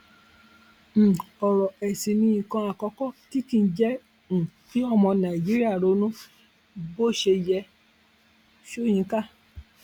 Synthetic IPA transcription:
ɔ˨ɾɔ˨ɛ˨si˨nĩ˧ĩ˨kɔ̃˧a˨kɔ˨˧˦kɔ˦ti˦kĩ˦˧˦d͡ʒɛ˦ | ñ̩˨fi˨˦ɔ˦mɔ̃˧nã˨i˨d͡ʒi˦ɾi˦a˦˨ɾo˨˧˦nũ˦ | bo˦˨ʃe˧jɛ˧ | ʃo˦˨jĩ˨˧˦ka˦˨

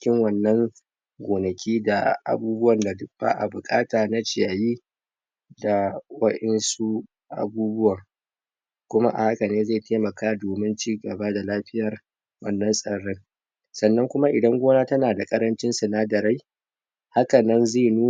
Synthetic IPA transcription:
ɪ˦kʲɪ˦ŋwɐ˨nːɐ˦ŋ | ɡʷoː˨nɐ˨kʲʰiː˦da˨ʔa̰˨buː˦bʊ˦wɐ˨nda˨dʊ˦kba̰ː˦ʔa̰˨bʊ˨kʼaː˦taː˨na˦t͡ʃɪ˦˨ja˨ji˦ | da˨wɐ˦ɗɛ˦nsu˦ | ʔa̰˨buː˦bʊ˦wɐ˨ŋ | kʷʊ˦ma̰˦ʔa̰˨ha˦kɐ˨neː˦za˦˨tʰeː˦mɐ˨kaː˦doː˨mɪ˦nt͡ʃiː˦ɡɐ˨baː˦da˨laː˦ɸɪ˦jɐ˨r | wɐ˦˨nːɐ˦nsʼɐ˨ɽɪ˦ŋ | sɐ˨nːɐ˦ŋkʷʊ˦ma˦ʔɪ˨dɐ˦ŋɡʷoː˦naː˦tɐ˦naː˨da˨kʼɐ˦ɾɐ˦nt͡ʃɪ˦nsɐ˨naː˦dɐ˨ɾa˦j | ha˦kɐ˨nɐ˦nzeː˦˨nuː˦

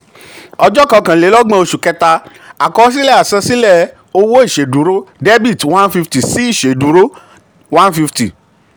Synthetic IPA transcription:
ɔ˧d͡ʒɔ˦kã˧kã˨le˨˦lɔ˦ɡ͡bã˧˦o˧ʃu˨kɛ˧ta˧ | a˨kɔ˧˦s̬i˦lɛ˦˨a˨sɛ̃˧si˦lɛ˦˨ | o˧wo˦i˦˨ʃe˨du˨˦ɾo˦de˦bi˦˨twã˦nfi˧fti˨si˦i˦˨ʃe˨du˨˦ɾo˦ | wã˦nfi˧fti˨

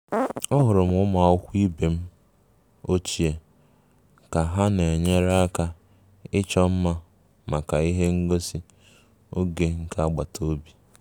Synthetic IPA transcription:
ɔ˦ɦʊ˨ɾʊ˨m̩˦ʊ˦ma˨ʊ˦kʷi˦be˨m̩˦ | o˦t͡ʃi˨e˨ | ka˨ɦa˦ne˨ɲe˦ɾa˦ka˦ | ɪ˦t͡ʃɔ˦m̩˦ma˦ | ma˨ka˨i˦ɦe˦ŋ̩˦ɡo˦si˦ | o˦ɡe˨ŋ̩˦ka˦a˦ɡ͡ba˨to˦bi˨

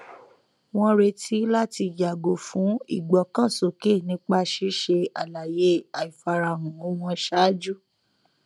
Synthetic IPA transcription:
w̃ɔ̃˦ɾe˧tʰi˨˦la˦ti˧ja˨ɡo˨fũ˨˦ḭ˦˨ɡ͡bɔ˨kã˦˨so˨ke˦˨nĩ˨˦k͡pa˧ʃi˨˦ʃe˧a˨la˨je˨˦a˨i˨fa˧ɾa˧˨ɾũ˨o˦w̃ɔ̃˧ʃa˦d͡ʒu˦

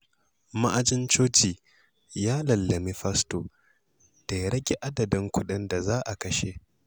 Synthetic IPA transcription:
ma˦ʔa˨d͡ʒɪ˦nt͡ʃoː˦tiː˨ | jaː˦lɐ˨lːɐ˨mi˦ɸɐ˦sto˨ | d̥a˨jɾɐ˦ɡʲe˨ʔa˦dɐ˨dɪ˦ŋkʷʊ˦ɗɪ˦nda˨zaː˦ʔa˨kɐ˦ʃe˦

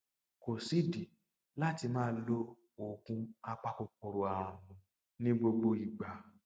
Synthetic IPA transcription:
ko˨si˨˦di˨ | la˦ti˧mãː˦lo˦ | o˨kũ˧a˧k͡pa˧ko˧k͡p̚o˨ɾo˧a˨w̃ã˨˧nũ˧ | nĩ˦ɡ͡bo˧ɡ͡bo˧i˨ɡ͡ba˨˦

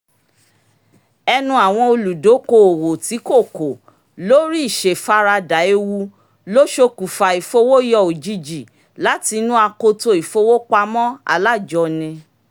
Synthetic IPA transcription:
ɛ˧nũ˧˦a˨w̃ɔ̃˧o˧lu˨do˨˦ko˧o˨wo˨ti˨˦ko˦˨ko˨ | lo˦ɾi˦i˦˨ʃe˨fa˦ɾa˧da˨e˧wu˧ | lo˦ʃo˧ku˨fa˨i˨fo˧˦wo˦jɔ˧˨o˨d͡ʒi˧d͡ʒi˨ | la˨˦ti˧nũ˦a˧ko˧to˧i˨fo˧wo˦k͡pa˧mɔ̃˦a̰˧la˦˨d͡ʒɔ˧nĩ˧

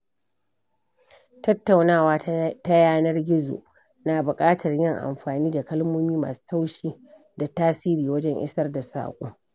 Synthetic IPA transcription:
tɐ˦tːa˨wnaː˦˨waː˦ta˦jaː˦nɐ˦rɡʲɪ˦zo̰˨ʔ | naː˨bʊ˨kʼaː˦tʰɐ˨rjɪ˦˨ŋʔa̰˨mɸaː˨niː˦da˨kɐ˦lmoː˦miː˦ma̰ː˨su̥ː˦ta˦wʃiː˦ | da˨taː˦siː˦ɾiː˨wɐ˦d͡ʒɛ˦ŋʔɪ̰˦sɐ˦rda˨sa̰ː˨kʷʼṵː˦

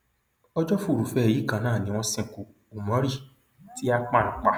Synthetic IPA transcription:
ɔ˦d͡ʒɔ˦fu˦˨ɾu˨fɛ˧˨ji˨˦kã˨˧˦nãː˦˨nĩ˦w̃ɔ̃˧sĩ˦˨ku˨ | u˨mɔ̃˨˦ɾi˦˨ | ti˦a˧k͡pã˦˨k͡pa˧

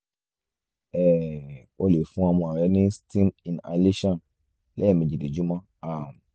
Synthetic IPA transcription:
ɛ˨ | o˧le˨fũ˦a˧mɔ̃˧a˨ɾɛ˨˦nĩ˦stĩ˦mĩ˨na̰˨˧le˦ʃã˦˨n | lɛ˦ɛ˦˨mĩ˨d͡ʒi˨de˨d͡ʒu˦mã˦ | a˦˨

